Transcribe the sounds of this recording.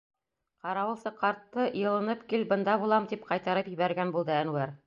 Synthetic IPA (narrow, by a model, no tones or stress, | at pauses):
qɑɾɑwɤ̆lˠsɤqɑɾt̪ːɤjɤ̆lˠɤ̆nɤpkilbɤ̆nd̪ɑβulˠɑmt̪ipqɑjt̪ɑɾɤpjɘ̆βæɾɡænbulˠd̪ɤænwæɾ